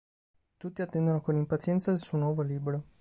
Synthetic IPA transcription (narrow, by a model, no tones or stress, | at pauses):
t̪ut̪ːiat̪ːɛnd̪onokonimpat̪sjɛnt̪saelsuːonwɔːvoliːbɾo